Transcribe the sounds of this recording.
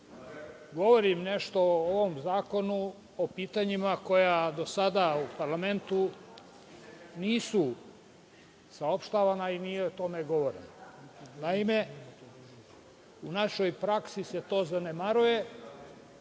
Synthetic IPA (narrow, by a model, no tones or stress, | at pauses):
ɡo̞ʋo̞ɾimneʃt̪o̞ooʋo̞mzaːko̞nu | opiːt̪aɲimako̞jad̪o̞sad̪aupaɾlame̞nt̪u | niːsu | sao̞pʃt̪aʋanainijeot̪o̞meɡo̞ʋo̞ɾenanaime | unaʃo̞jpɾaksise̞t̪o̞ːzanemaɾuje̞